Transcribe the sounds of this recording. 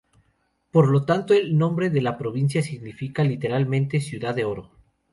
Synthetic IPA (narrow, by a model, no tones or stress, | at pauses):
po̞ɾlo̞t̪ant̪oelnõ̞mbɾe̞ðe̞lapɾo̞β̞ins̬jasiɣnifikalit̪e̞ɾalmẽnt̪esjuðaðeo̞ɾo̞